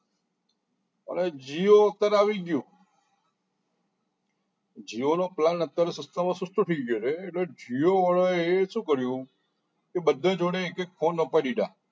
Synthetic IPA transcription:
ə̰ned͡ʒioət̪jaɾeaʋiɡjũ | d͡ʒionoplanət̪jaɾesəst̪amãsʊsʈʰuʈʰiɡoɾeːʈled͡ʒioʋəɭoeʃũkəɾjũ | kebəd̪ʱːẽd͡ʒoɽeːkekfʰonːəpajliɖa̰

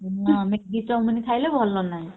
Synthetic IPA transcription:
ãmeɡitɔmunik̪ʰajlebʱɔlːɔnaj

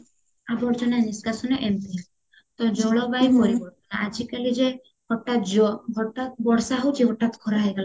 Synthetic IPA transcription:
abɔɾt͡ʃɔnaniskasɔnɔʔemp | t̪ɔd͡ʒɔɭɔbajpɔɾibɔɾt̪ɔnaʔad͡ʒikalid͡ʒe | hɔʈːat̪d͡ʒɔɦɔʈat̪̚bɔɽsaɦowt͡ʃʰiɦɔʈːat̪kʰɔɾaɦɔjɡala

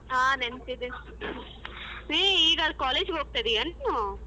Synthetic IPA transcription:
aːnent̪id̪e | eːiːɡɐlkaːleːd͡ʒɡoːɡ̚t̪ɐd̪eɐɳnu

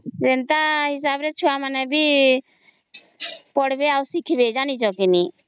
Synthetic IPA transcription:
d͡ʒɪnt̪aɦɪs̬aːbɾɛt͡ʃʰuamanɛbi | pɔɽbeausikʰbed͡ʒanit͡ʃɔkini

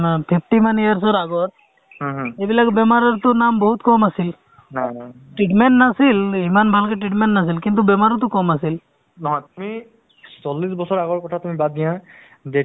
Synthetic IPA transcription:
pʰipʰʈimanijaɹs̬ɔɹaɡɔɹ | ɦɦejbilakbɛmaɾɔɹt̪ʊnambɔɦut̪kɔmasil | nana | ʈɹiʈmɛɳʈnasilimanbʱalkɛʈɹiʈ̬meɳʈnas̬ilkint̪ubɛmaɾɔt̪ʊkɔmasil | nɔɦɔ̃jt̪umi | sɔlːisbɔsɔɹaɡɔɹkɔtʰatumibad̪̚dijã | de

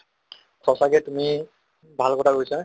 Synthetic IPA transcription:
kʰɔsakɛtumi | bʱalkɔtʰakojsa

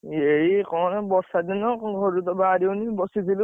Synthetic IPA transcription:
eikɔnbɔsad̪inɔkɡʱɔɾut̪ɔbaɾiwnibɔsizil

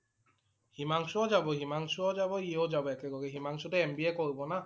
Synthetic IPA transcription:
himaŋsuɔd͡ʒabɔɦimaŋsuɔzabɔiod͡ʒabɔɛkɛɡɔɡɛɦimaŋsutɛɛmbiɛkɔɹibɔna

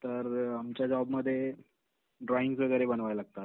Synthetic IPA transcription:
t̪əɾamt͡ɕjad͡ʑɔbməd̪ʱːje | ɖɾɔiŋɡsʋəɡəjɾebənʋajlaɡt̪at̪̚

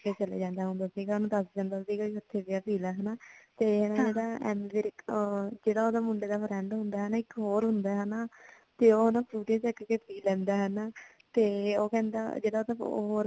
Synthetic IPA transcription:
keːt͡ʃəlḛːd͡ʒãːnd̪aːɦʊ̃nd̪aːsiːkːnũd̪əsd͡ʒãːnd̪aːt̪d̪iːkaɪkʊt̪ʰːeːʋɪaːpʰiːlaːɦɛnaːt̪eːɦɛːnaːd͡ʒeːɽaːɛ̰ːmʋɪɾkd͡ʒeːɽaːoːd̪aːmʊɳɖeːd̪aːpʰəɾɛ̃ːɳɖɦʊ̃nd̪aːɦɛːnaːɪkːɦoːɾɦʊnd̪aːɦɛnaː | t̪eːoːɦonãːpʰɾuːʈẽːt͡ʃəkkeːpʰiːlɛ̃ːnd̪aːɦɛnaː | t̪eːoːkɛ̃ːnd̪a̰ːd͡ʒeːɽaːoːt̪aːɦːɾ

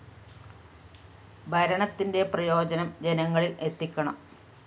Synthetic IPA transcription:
bʱɐɾɐɳɐt̪ːinde̞prɐjo̞ːd͡ʑɐnɐmd͡ʑe̞nɐŋːɐɭilʔe̞t̪ːikʲːɐɳɐm

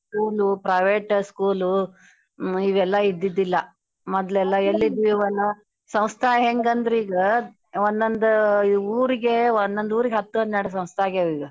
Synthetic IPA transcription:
skuːlupɾɐjʋeːʈskuːlu | iʋɛlːɐid̪ːid̪ːilːɐ | mɔd̪lɛlːɐelːid̪iːʋɐlːɐ | sɐmst̪ʰɐɦeŋɡɐnd̪ɾiːɡɐ | ond̪ond̪ɐuːɾiɡeond̪ond̪uːɾiɡeɦɐt̪ːɐnd̪naːɽsɐ̃mst̪ʰɐaːɡeʋiːɡɐ

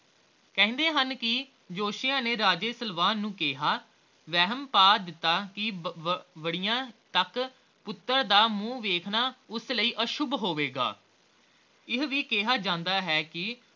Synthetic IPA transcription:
kɛ̃ːnd̪eːɦənkɪ | d͡ʒoːʃɪjãːneːɾaːd͡ʒeːsəlʋaːnːũːkeːɦaː | ʋɛːɦəmpaːd̪ɪt̪ːaːkɪ | ʋəɽijãːt̪ək | pʊt̪ːəɾd̪aːmũːʋeːkʰnaːʊsləiːʔəʃʊbɦoːʋeːɡa̰ː | ɪɦʋiːkeːɦaːd͡ʒãːnd̪aːɦɛːkɪ

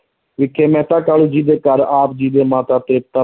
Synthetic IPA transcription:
ʋɪkʰːeːmɛ̃ːt̪aːkaːluːd͡ʒiːd̪eːkəɾaːp̚d͡ʒiːd̪eːmaːt̪aːt̪ɾɪp̚t̪aː

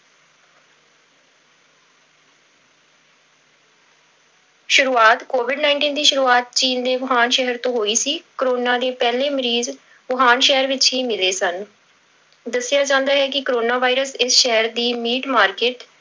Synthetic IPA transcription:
ʃʊɾuːaːt̪koːʋɪɖnaːɪ̃ɳʈiːnd̪iːʃʊɾuːaːt̪̚t͡ʃiːnd̪eːʋəɦaːnʃɛɦəɾt̪õːɦoːiːsiːkəɾoːnaːd̪eːpɛːleːməɾiːz | ʋəɦaːnʃɛɦəɾʋɪt͡ʃɦiːmɪleːsən | d̪əsːɪjaːd͡ʒãːnd̪aːɦɛːk̬ɪkɾoːnaːʋaːiɾəsɪsʃɛɦəɾd̪iːmiːʈmaːɾkeːʈ

